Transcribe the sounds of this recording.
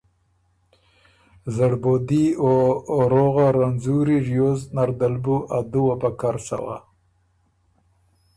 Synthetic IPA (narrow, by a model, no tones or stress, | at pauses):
zaɽbod̪ioɾoɣaɾanzuɾiɾjoznaɾd̪albuʔad̪uwabakaɾsa̰wa̰